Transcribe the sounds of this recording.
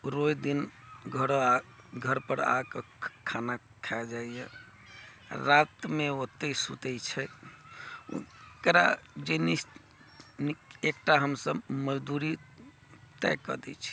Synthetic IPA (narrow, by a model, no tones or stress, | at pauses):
ɾojd̪inɡʱəɾoa | ɡʱəɾpəɾa̰ke | kʰana | kʰaɛld͡ʒaije | ɾat̪meot̪ːesut̪ɛt͡ʃʰɛ̰ | kɾa̰d͡ʒenis | niekʈaɦəmsəbməd͡ʒd̪uɾi | t̪ɛ̰kə̰d̪ɛ̰t͡ʃʰɛ̥